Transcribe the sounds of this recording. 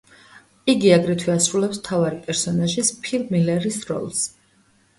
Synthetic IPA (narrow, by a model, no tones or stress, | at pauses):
iɡiaɡɾɛt̪ʰwiasɾulɛpsmt̪ʰavaɾipʼɛɾsɔnaʒispʰilˠmilɛɾisɾɔ̰lˠs